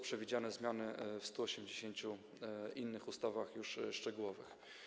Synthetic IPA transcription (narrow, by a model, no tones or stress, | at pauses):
pʂɛvʲid͡ʑanɛzmʲjanɘfst̪uɔɕɛmd͡ʑeɕeɲt͡ɕu | inːɘxust̪avaxjuʂʂt͡ʂɛɡuwɔvɘ̰x